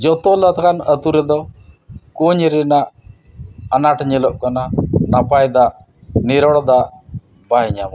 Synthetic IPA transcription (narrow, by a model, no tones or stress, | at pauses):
d͡ʒɔt̪ɔlət̪ʰkanət̪uɾɛd̪ɔ | kuɲɾɛnaʔ | anaʈɲɛlɔʔkɔnanapajd̪aʔ | nɛɾɔɽd̪aʔ | bajɲam